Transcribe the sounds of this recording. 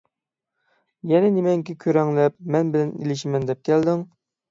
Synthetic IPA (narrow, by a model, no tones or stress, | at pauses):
jɛnɛnemɛŋkʲɪkʲʰøɾɛŋlɛp̚mɛnbɪlɛnḭlɪʃimɛnd̪ɛp̚kʲʰɛld̪ɪŋ